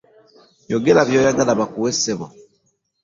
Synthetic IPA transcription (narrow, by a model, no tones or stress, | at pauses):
joɡelaβjojaɡalaβakuweseβo̰